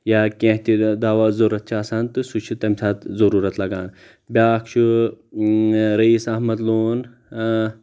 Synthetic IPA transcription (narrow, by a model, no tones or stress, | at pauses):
jaːkʲẽːɦt̪ʲid̪aːʋaːzɐɾɐt̪̚t͡ʃʰaːsaːnt̪ɨsuʃʰit̪ɐmʲsʰaːt̪zɐɾuːɾɐt̪lɐɡaːn | bʲjaːkʃu | ɾɐiːsɐɦmɐd̪loːn